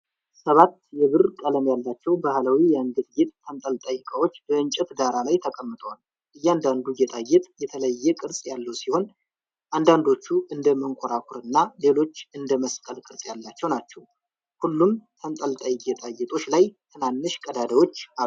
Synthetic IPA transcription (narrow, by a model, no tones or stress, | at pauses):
səβat̪jɛβɨrkʼələmjalːat͡ʃːɛwbahlawijand̪ɨt̪ɡet̪ʼːʰənt̪ʼəlt̪ʼəjːɨkʼəwo̞t͡ʃːbəɨnt͡ʃʼɛt̪d̪aɾalajt̪ʰəkʼəmːɨt̪ʼəwal | ʔɨjːand̪and̪uɡɛt̪ʼajːɛt̪ʼjɛt̪ʰələjːɛkʼɨɾsʼjalːəwsiho̞n | ʔand̪and̪o̞t͡ʃːuʔɨnd̪əməŋkʰoɾakʷʰuɾɨnːale̞lo̞t͡ʃːɨnd̪əməskʼəlkʼɨɾsʼjalːat͡ʃːɛwnat͡ʃːɛw | hulːumt̪ʰənt̪ʼəlt̪ʼajɡɛt̪ʼajːɛt̪ʼo̞t͡ʃːlajt̪ʰɨnanːɨʃkʼəd̪ad̪əwo̞t͡ʃːau